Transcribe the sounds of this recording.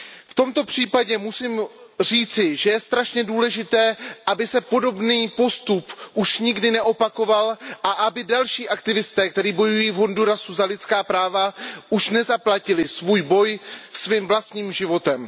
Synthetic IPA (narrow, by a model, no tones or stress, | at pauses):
ft̪o̞mt̪o̞pr̝̥iːpaɟɛmusim | r̝iːt͡sɪʒɛjɛst̪ɾaʃɲɛduːlɛʒɪt̪ɛːʔabɪsɛpo̞do̞bniːpo̞st̪upʔuʃɲɪɡdɪnɛʔo̞pako̞valʔaʔabɪdalʃiːʔak̚t̪ɪvɪst̪ɛːk̚t̪ɛɾiːbo̞jujiːvɦo̞nduɾasuzalɪt̪t͡skaːpɾaːvaʔuʃnɛzaplacɪlɪsvuːjbo̞jsviːmvlast̪ɲiːmʒɪvo̞t̪ɛm